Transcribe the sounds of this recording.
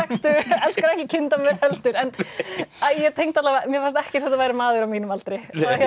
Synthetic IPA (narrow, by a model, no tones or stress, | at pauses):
ɛkst̪ʏɛlskʏɾɛhcɪcʰɪnt̪amɛɾhɛlt̪ʏɾɛnajɛt̪ʰejŋkt̪at̪lavamjɛfaɾst̪ɛhcɪsɛmθʏvajɾɪɾmaːðʏɾawmiːnʏmalt̪ɾɪjahja